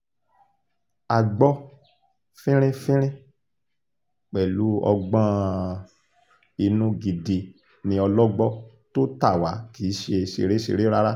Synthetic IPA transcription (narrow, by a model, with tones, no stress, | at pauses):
a˨ɡ͡bɔ˦ | fĩ˦ɾ̃ĩ˦fĩ˦ɾ̃ĩ˦ | k͡pɛ˨lu˨˦ɔ̰˧ɡ͡bɔ̃˦ | i˧nũ˦ɡi˨di˨˧ | nĩ˧ɔ˧lɔ˦ɡ͡bɔ˦ | to˦ta˦˨wa˨˦kiː˨˦ʃe˧ʃḛ˧ɾe˦ʃḛ˧ɾe˦ɾa˦ɾa˦